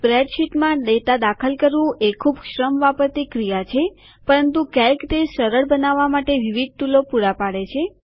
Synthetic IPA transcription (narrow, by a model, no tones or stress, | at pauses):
bɾɛɖʃiʈmãd̪et̪ad̪akʰəlkəɾʋũʔekʰubʃɾəmʋapəɾt̪ikɾijat͡ʃʰe | pəɾənt̪ũkɛjkt̪eʃəɾəɭbənaʋːamaʈeʋiʋid̪̚ʈulopuɾapaɽet͡ʃʰe